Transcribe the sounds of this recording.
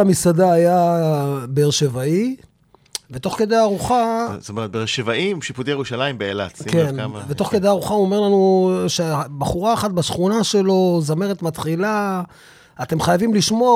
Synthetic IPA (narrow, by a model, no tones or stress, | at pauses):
amisadaːja | beːʁʃe̞vai | ve̞t̪o̞χke̞d̪ejaʁuχat̪omeʁt̪beeʁʃevaimʃiput̪ejeʁuʃalaimbeela̰tskenvet̪o̞χked̪eaʁuχauome̞ʁlanuʃebaχuʁaːχat̪̚baʃχunaʃe̞lo̞zameʁet̪mat̪χila | at̪emχajavimliʃmo̞a